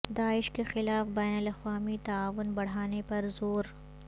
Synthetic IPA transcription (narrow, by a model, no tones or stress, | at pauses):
d̪aːɪʃkexɪlaːfbɛːnəlɐxwaːmit̪ɐaːʋʊnbɐɽ̤aːnepɐɾzoːɾ